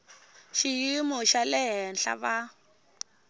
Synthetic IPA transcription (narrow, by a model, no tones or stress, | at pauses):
ʃijimɔʃalɛɦɛnɬa̰βa